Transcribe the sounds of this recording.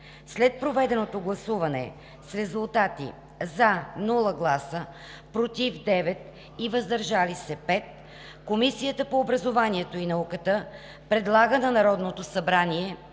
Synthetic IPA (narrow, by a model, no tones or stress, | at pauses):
slɛt̪̚pɾovɛd̪ɛnot̪oɡlˠɐsuvɐnɛ̰ | sɾɛzulˠt̪at̪ḭ | zanulˠəɡlˠasə | pɾot̪ifd̪ɛvɛt̪̚ | ivəzd̪ɐɾʒalisɛpɛt̪̚ | komisijət̪əpoːbɾɐzovaniɛt̪oinɐukət̪ə | pɾɛd̪lˠaɡənɐnɐɾɔd̪not̪osɐbɾaniɛ